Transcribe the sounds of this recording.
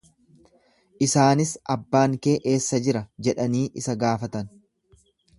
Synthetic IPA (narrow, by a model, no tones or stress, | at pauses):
ʔɪsaːnɪsɐbːaːŋke̞ːʔe̞ːsːɐd͡ʒɪɾɐd͡ʒɛᶑɐniːʔɪsɐɡaːfɐt̪ɐn